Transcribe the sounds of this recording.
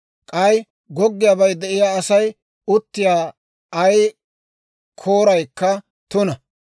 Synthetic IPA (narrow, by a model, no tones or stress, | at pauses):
kʼɐj | ɡɔɡːɪjaːbɐjd̪ɛʔɪjaːɐsɐj | ʊt̪ːɪjaː | ɐj | kʰoːɾɐjkːɐ | t̪ʊnɐ